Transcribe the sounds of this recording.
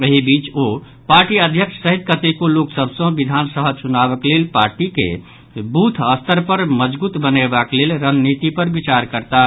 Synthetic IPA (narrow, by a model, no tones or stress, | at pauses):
əɦibit͡ʃo | paɾʈiəd̪ʱjəkʃʰsəɦit̪̚kət̪ekoloksəbsə̃bid̪ʱansəɦəsunaβəklelpaɾʈikḛ | but̪ʰəst̪əɾpəɾməd͡ʒbut̪bənebaklelɾənnit̪ipəɾbit͡ʃaɾkəɾt̪a